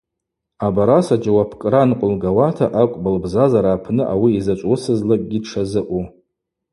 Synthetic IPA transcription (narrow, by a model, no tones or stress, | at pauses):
abaɾasad͡ʒawapʰkʼranqʷʼʊlɡawatʰaʔakʷʼbɨlbzazaɾaːpʰnɨʔawiːzat͡ʃʷʼusɨzlakʼɡʲidʈ͡ʂʰazɨʔʷu